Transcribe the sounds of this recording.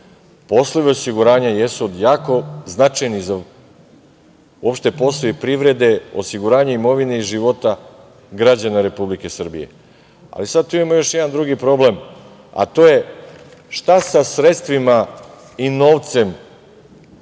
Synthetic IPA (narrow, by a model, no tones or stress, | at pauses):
po̞slˠoʋio̞siɡuɾaːɲajesuod̪jaːko̞znat͡ʃajniza | uopʃt̪e̞po̞st̪ˠoipɾiʋɾe̞d̪e̞osiɡuɾaːɲaimo̞ʋine̞iʒiʋo̞t̪a | ɡɾad͡ʑanaɾe̞publike̞sr̩bḭje̞̰ | a̰lisad̪̚t̪uimamojo̞ʃjed̪and̪ɾuɡipɾo̞ble̞m | a̰t̪o̞je̞ | ʃt̪asasɾe̞t̪st̪ʋima | ino̞ʋt̪se̞m